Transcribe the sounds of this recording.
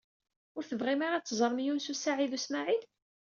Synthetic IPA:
ʊɾθəvʁimaɾat͡sːzˤəɾˤmjunsusaʕiðusmaʕid̪

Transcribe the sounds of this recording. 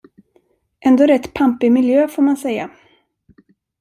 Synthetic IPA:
ʔɛnd̪oːɾɛt̪ːpʰampɪmɪljøːfoːɾmansɛjːa̰

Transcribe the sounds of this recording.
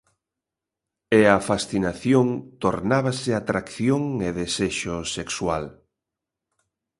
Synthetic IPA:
eafasθinaθjoŋt̪oɾnaβasɪat̪ɾakθjoŋeðeseʃosekswal

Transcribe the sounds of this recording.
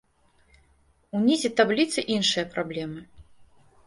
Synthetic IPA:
unʲizʲit̪ablʲit̪sɨʔinʂɨjɐpɾablʲɛmɨ

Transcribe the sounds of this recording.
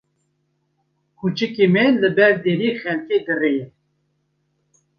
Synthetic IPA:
kʰut͡ʃɨkemɛlɨbɛɾd̪eɾiːxɛlked̪ərejɛ

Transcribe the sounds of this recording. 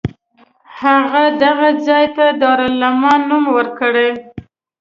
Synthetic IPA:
haɣad̪aɣad͡zɑjt̪ad̪ɑɾalamɑnːumwəɾkəɽe

